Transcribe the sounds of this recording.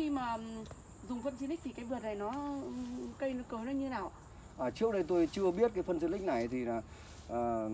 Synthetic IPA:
xi˧maː˨˩ | zʊ˨˩ŋ͡mfə˧nt͡ɕi˧ni˦˥k̚t̪ʰi˨˩kaː˨˦vɨ˨˩ət̚na˨˩jnɔ˨˦ | kə˧jnɔ˧˨˦kəː˨˦nɔ˨˦ɲɨ˧˦aː˧˩wʔ | ʔaː˨˩t͡ɕi˦˥ək̚ɗə˧jt̪o˧jt͡ɕɨ˧əɓi˦˥ət̚kaː˨˦jfə˧nzə˧˩nlï̟˦˥na˨˩jt̪ʰi˨˩laː˨˩ | ʔəː˨˩

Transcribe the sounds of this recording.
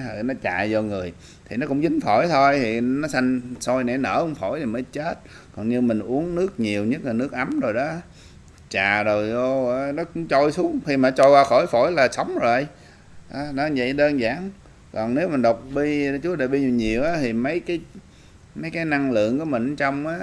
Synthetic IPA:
nɔ˨˦t͡ɕa̰ː˧˨jzɔ˧ŋɨ˨˩əj | t̪ʰi˨˩nɔ˨˦kʊ̰˧˥ŋ͡mzï˨˦ŋ̟fo˧˩jt̪ʰo˧jt̪ʰi˨˩nɔ˨˦sa˧ŋso˧jnɛ̰˨˧˩nə̰ː˧˩kʊ˧˥˦ŋ͡mfo˧˩˦jt̪ʰi˨˩mə˨˦jt͡ɕe˦˥t̚ | kɔ˨˩nɲɨ˧mï˨˩ŋ̟ʔu˨˦ənnɨ˦˥ək̚ɲi˨˩əwɲə˦˥t̚laː˨˩nɨ˦˥ək̚ʔa˨˦mzo˨˩jɗɔ˨˦ | t͡ɕaː˨˩zo˨˩jo˧˨˩nɔ˨˦kʊ̰˧˥ŋ͡mt͡ɕɔ˧jsu˨˦˥əmxi˧maː˨˩nɔ˦t͡ɕɔ˧jkwaː˧xɔ˧˩˦jfo˧˩˦jlaː˨˩sa˨˦wŋ͡mzo˨˩˨j | ʔaː˨˦nɔ˨˦˨və̰˧˨jɗəː˧nzaː˧˩n | kɔ˨˩nne˨˦wmi˨˩ɗə˨˩wk͡p̚ɓi˧˨˩t͡ɕu˨˦ɗe˨˩ɓi˧ɲi˨˩ɲi˨˩əwʔaː˨˦t̪ʰi˨˩mə˨˦jkaː˨˦j | mə˨˦jkaː˨˦jna˧ŋlɨ̰˧˨əŋku˧˩əmï˨˩ŋ˨t͡ɕɔ˧wŋ͡mʔaː˨˦

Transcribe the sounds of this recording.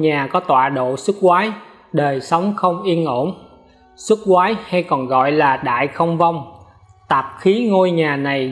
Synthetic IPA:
ɲaː˨˩kɔ˨˦t̪wa̰ː˧˨ɗo̰˧˨sɨ˦˥k̚kwaː˨˦j | ɗəː˨˩jsə˨˦wŋ͡mxə˧wŋ͡mʔi˧ənʔo˧˩n | sɨ˦˥k̚kwaː˨˦jha˧jkɔ˨˩nɣɔ̰˧˨jlaː˨˩ɗa̰ː˧˨jxə˧wŋ͡mva˧wŋ͡m | t̪aː˨˩p̚xi˨˦ŋo˧jɲaː˨˩na˨˩j

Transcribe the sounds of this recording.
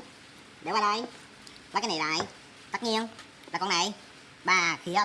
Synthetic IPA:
ɗe˧˩˦waː˧˩lə̰˧˨j | aː˨˦kaː˨˦jna˨˩˨la̰ː˧˨j | t̪a˦˥k̚ni˧ən | laː˨˩kɔ˧na˨˩j | ɓaː˨˩xi˨˧˦ə

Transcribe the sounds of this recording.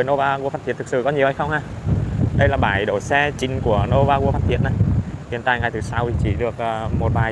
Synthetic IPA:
ə˨˦jno˧vaː˧ɣu˧faː˦˥t̪̚ʰi˧˨ət̪ɨ˨˩k̚sɨ˧˩kɔ˨˦ɲi˨˩əwha˧jxə˧wŋ͡mhaː˧˩ɗə˧jlaː˨˩ɓaː˧˩jɗo˧˩jsɛ˧t͡ɕï˨˩ŋ̟ku˧˩əno˧vaː˧ɣu˧əfaː˦˥t̪̚i˧˨ən̚na˨˩jhi˨˩˨ənt̪a̰ː˧˨jŋa˨˩jt̪ʰɨ˧˨˩sa˧wi˨˩t͡ɕi˧˩ɗɨ˨˩ək̚ʔəː˨˩mo˨˩t̚ɓaː˨˩

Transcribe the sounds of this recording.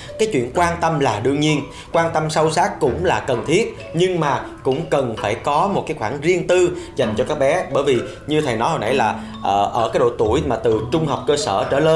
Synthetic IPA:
kaː˨˦jt͡ɕwḭ˧˨ənkwaː˧nt̪ə˧mlaː˨˩ɗɨ˧əŋɲi˧ən | kwaː˧nt̪ə˧msə˧wsaː˦˥k̚kʊ̰˧˥ŋ͡mlaː˨˩kə˨˩nt̪ʰi˦˥ət̚ | ɲɨ˧ŋmaː˨˩ | kʊ̰˧˥ŋ͡mkə˨˩nfaː˧˩jkɔ˨˦mo˨˩t̚kaː˨˦jxwaː˧˩ŋzi˧ənt̪ɨ˧za˨˩jŋ̟t͡ɕɔ˧kaː˦˥k̚ɓɛ˨˦ɓəː˧˩jvi˨˩ | ɲɨ˧t̪ʰə˨˩jnɔ˨˦ho˧nʔa̰˧˩jlaː˨˩ | ʔʔəː˧˩kaː˨˦jɗo̰˧˩t̪u˧˩əjmaː˨˩t̪ɨ˨˩t͡ɕʊ˧ŋ͡mɦə˨˩wk͡p̚kəː˧sə̰ː˧˩t͡ɕəː˧˩le˧

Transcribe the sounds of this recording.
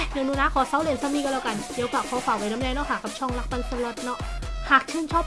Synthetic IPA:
ja˧ŋnuː˧˦naː˦˧˥kʰɔː˨˦sa˧˦wle˧˩ə˨nsa˧˦wmniː˧kːlaː˧˩ka˧˩ndi˨˧˦əwkaː˨˩kʰɔː˨˦fʰa˨˩wa˨˦jna˦mnɛː˧nɔ˦˥ʔhaː˨˩kːa˨˩p̚t͡ɕʰɔ˥˩˨ŋla˦˥k̚pa˧˩nso˧lo˦˥t̪̚nɔ˦˥ʔhaː˨˩k̚t͡ɕʰɯː˧˥˨nt͡ɕʰɔː˥˩p̚

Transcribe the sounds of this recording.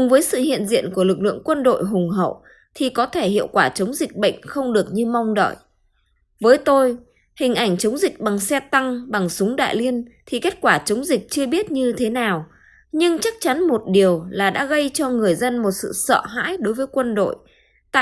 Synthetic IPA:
kʊ˨˩ŋ͡mvəː˨˦jsɨ̰˧˨hḭ˧˨ənzḭ˧˨ənku˧˩əlɨ˨˩k̚lɨ̰˧əŋkwə˧nɗo̰˧˨jɦʊ˨˩ŋ͡mɦə̰˧˨w | t̪ʰi˨˩kɔ˨˦t̪ʰe˧˩hḭ˧˨əwkwaː˧˩t͡ɕə˨˦wŋ͡mzï˨˩k̟̚ɓə̰˧˨jŋ̟xə˧wŋ͡mɗɨ˨˩ək̚ɲɨ˧ma˧wŋ͡mɗə̰ː˧˨j | vəː˨˦jt̪o˧j | hï˨˩ŋ̟ʔa˧˩jŋ̟t͡ɕə˨˦wŋ͡mzï˨˩k̚ɓa˨˩ŋsɛ˧t̪a˧ŋɓa˨˩ŋsʊ˨˦ŋ͡mɗa̰ː˧˨jli˧ənt̪ʰi˨˩ke˦˥t̚kwaː˧˩t͡ɕə˨˦wŋ͡mzi˨˩k̟̚t͡ɕɨ˧əɓi˦˥ət̚ɲɨ˧t̪ʰe˨˦naː˨˩w | ɲɨ˧ŋt͡ɕa˦˥k̚t͡ɕa˨˦nmo˨˩t̚ɗi˨˩əwlaː˨˩ɗa̰ː˧˥ɣə˧jt͡ɕɔ˧ŋɨ˨˩əjzə˧nmo˨˩t̚sɨ̰˧˨sə̰ː˧˨ɦa̰ː˧˥jɗo˨˦jvəː˨˦jkwə˧nɗo̰˧˨j | t̪a̰ː˧˨

